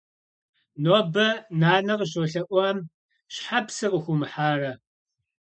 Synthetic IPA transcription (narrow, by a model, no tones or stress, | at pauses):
noːbɐnaːnɐqəɕoɬɐʔʷɔm | ɕħapsɨqəxʷʊmħaːrɐ